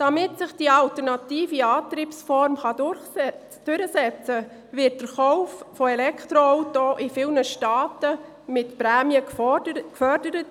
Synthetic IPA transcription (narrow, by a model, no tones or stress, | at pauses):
d̥ɑmɪtsɪχd̥iɑltəɾnɑtiːfiɑːtɾiːpsfɔɾmχɑd | d̥ʏɾəsɛt͡sə | ʋɪt̚d̥əɾχɔwffɔɛlɛktɾoɔwtoʔɪfɪːlnəʃtɑːtə | mɪtpɾæːmjəkfœɾdəɾət